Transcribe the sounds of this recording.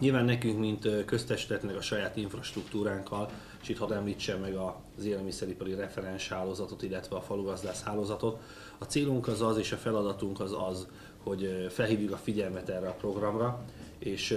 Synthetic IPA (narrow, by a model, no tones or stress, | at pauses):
ɲilvaːnːɛkyŋkmint̪kø̞st̪ɛʃi̥t̪ɛt̪nɛkɒʃɒjaːt̪iɱfrɒʃt̪rukt̪uːɾaːŋkʰɒl | eʃit̪hɒd̪ɛmliːt͡ʃːɛmːɛɡɒ | zeːlɛlmisɛɾipɒɾirɛfɛɾɛnʃhaːloːzɒt̪o̞t̪ilːɛt̪ʋɛɒfɒluɡɒzd̪aːʃhaːloːzɒt̪o̞t̪ | ɒt̪seːluŋkɒzɒzeːʃɒfɛlɒd̪ɒt̪uŋkɒzɒz | ho̞ɟfɛlɦiːvjykɒfiɟɛlmɛt̪ɛrːɛɒpro̞ɡrɒmrɒeːʃ